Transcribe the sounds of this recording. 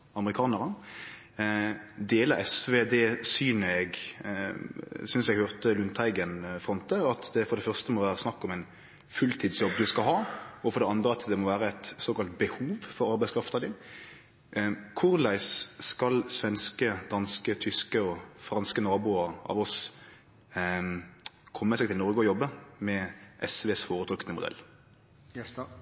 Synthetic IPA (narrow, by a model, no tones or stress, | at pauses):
ɑməɾɪkʰɑːnəɾə | d̪eːləɾɛsʋeːd̪ɛsyːnəɛɡ | sʏnsɛɡhøːʁt̪əlʉnt̪ʰæɪɡənfʁɔnt̪əɑt̪d̪ɛfɔɾd̪ɛfœʁst̪əmɔʋæːɾəsnɑkːɔmɛɪn | fʉlt̪ʰiːd̪sjɔbːd̪ʉskɑlɦɑːɔfɔɾɖ̪ɛɑnd̪ɾəɑt̪d̪ɛmɔʋæːɾəɛt̪soːkɑlt̪bəhuːʋfɔɾɑɾbæɪskʰɾɑft̪əd̪ɪn | kʰʊɾlæɪsskɑlsʋɛnskəd̪ɑnskət̪ʰʏskəɔfɾɑnskənɔɾbuːəɾɑ̰ʋɔs | kʰɔmːəsɛːɡt̪ʰɪlnɔɾɡəɔjɔbːəmɛʔɛsʋeːsfoːɾət̪ɾʉkənəmʊd̪ɛ̰lː